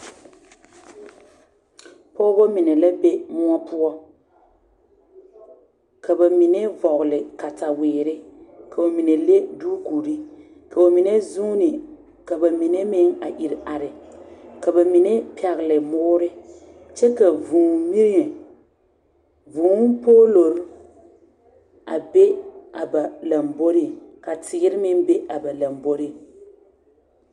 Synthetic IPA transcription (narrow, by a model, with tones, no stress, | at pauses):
pɔː˦bɔ˦mɪ˨nɛ˨la˦be˦mʊ˦ɔ˦pʊ˦ɔ˦ | ka˨ba˨mi˨ne˦vɔ˨ɣʊ˨lɪ˨ka˨ta˨wɪː˨ɾɪ˦ka˨o˨mi˨ne˨le˦duː˦ku˨ɾi˦ | ka˨o˨mi˨ne˦zu˦nɪ˨ | ka˨ba˨mi˨ne˦mɪ˦ŋa˨ʔi˨ɾa˨ɾɪ˨ka˨ba˨mi˨nɛ˦pɛ˨ɣɪ˨lɪ˨mɔː˦ɾɪ˦ | t͡ʃɛ˦ka˨vuː˨mi˦ɾɪ˦ɛ˨ | vʊː˨˦n˦poː˦lo˨ɾʊ˦ | a̰˨be˦a˨ba˨la˨mbo˦ɾɪ˦˨ka˨tʰɪ˨ɡɪ˦ɾɪ˦mɪ˦n˦be˦a˨ba˨la˨mbo˦ɾɪ˦˨